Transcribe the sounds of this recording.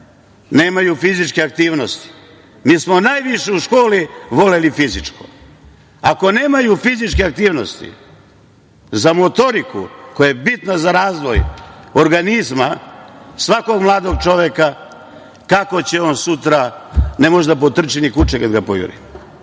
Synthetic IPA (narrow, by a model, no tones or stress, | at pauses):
ne̞ːmajufizit͡ʃkeak̚t̪iːʋnost̪i̥ | miːsmo̞naːjʋiʃeuʃko̞ːliʋo̞lelifizit͡ʃko | ako̞ne̞ːmajufizit͡ʃkeak̚t̪iːʋno̞st̪ḭ | zamo̞t̪o̞ɾikṵkojajebit̪nazaɾaːzʋo̞joɾɡanizma | sʋako̞ɡmlˠaːd̪o̞ɡ̚t͡ʃo̞ʋeka | kako̞t͡ɕeo̞ːnsut̪ɾane̞moʒd̪ap̬ot̪r̩t͡ʃinikut͡ʃekad̪ɡapo̰jṵɾḭm